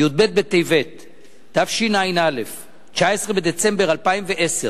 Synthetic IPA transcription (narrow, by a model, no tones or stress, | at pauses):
jud̪̚be̞t̪̚bet̪ejvet̪ | d̥afʃinajnale̞f | t͡ʃaesʁebe̞d̪et͡se̞mbeʁalpaimveʔese